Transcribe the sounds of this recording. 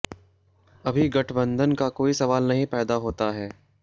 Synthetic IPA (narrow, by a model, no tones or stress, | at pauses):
ɐbʱiɡɐʈʰbə̃nd̪ʱənkakoːisɐʋaːlnɐɦĩpɛːd̪aɦoːt̪aɦɛː